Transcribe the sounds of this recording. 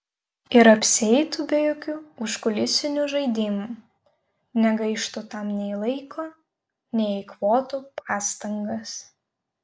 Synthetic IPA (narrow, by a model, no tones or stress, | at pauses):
ɪɾɐpʲsʲɪɛɪt̪ubʲɛjoːkʲuːʊʃkʊlʲɪsʲɪnʲuːʒɐɪd̪ʲɪmuː | nʲɛɡɐɪʃt̪ut̪ɐmnʲɛɪlˠɐɪkʰoː | nʲɛɪɪkʋoːt̪upɑːst̪ɐŋɡɐs